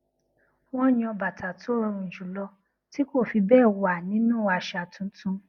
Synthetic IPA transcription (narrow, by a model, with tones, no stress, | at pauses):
w̃ɔ̃˦ɲĩ˧ɔ˧ba˨ta˨to˦ɾ̃ɔ̃˧ũ˨d͡ʒũ˨˦lɔ˧ | ti˦ko˦˨fi˧bɛː˦˨wa˨nĩ˨˦nũ˦˨a˧˨ʃa˨tũ˦tũ˧˦